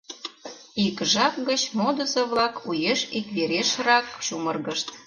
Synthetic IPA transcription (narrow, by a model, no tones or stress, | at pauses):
ikʒɑkɡət͡ɕmod̪ə̆zoβlɑkujeʃikβeɾeʃrɑkʃumərɣəʃt̪